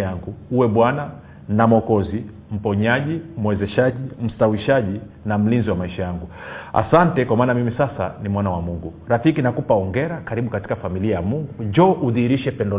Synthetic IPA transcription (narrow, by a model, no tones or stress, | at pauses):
aŋɡuuwɛɓwana | namɔkɔzi | m̩pɔɲaʄim̩wɛzɛʃaʄim̩stawiʃaʄi | nam̩linziwamaiʃajaŋɡua̰santɛkwamaːnamimisasa̰nimwanawamuŋɡuɾafikinakupaɔŋɡɛɾakaɾiɓukati̥kafamiliajamuŋɡud͡ʒɔʔuðihiɾiʃɛpɛndɔ